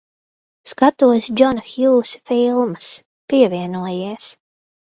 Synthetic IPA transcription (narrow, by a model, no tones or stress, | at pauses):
skat̪uɔsd͡ʒɔnxjuːsfilˠmɨs | piɛviɛnuɔjiɛs